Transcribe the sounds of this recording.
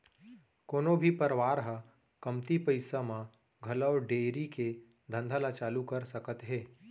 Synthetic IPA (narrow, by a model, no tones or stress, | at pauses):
koːnobʱipəɾʋaːɾɦə | kɐmt̪ipəɪsamã | ɡʱɐləːɖeːɾike | d̪ʱə̃nd̪ʱalat͡ʃaːlukɐɾsəkət̪ɦeː